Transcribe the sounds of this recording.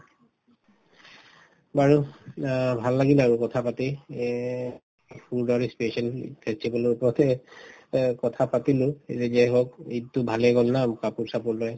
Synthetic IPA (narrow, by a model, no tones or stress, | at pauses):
baɹu | bʱalːaɡilaɹukɔtʰapatɛ | pʰuɹdɔɹispiesɔnpʰɛstibalɔɹupɔɹt̪ɛ | kɔtʰapatilʊ̃ezɛzɛɦokitʊbʱalɛɡɔlnamkapuɹsapɔɹlɔj